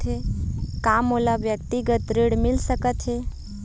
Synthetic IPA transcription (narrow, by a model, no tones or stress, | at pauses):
ɦekamolaʋjək̚t̪iɡət̪ɾeɽmɪlsəkət̪ɦe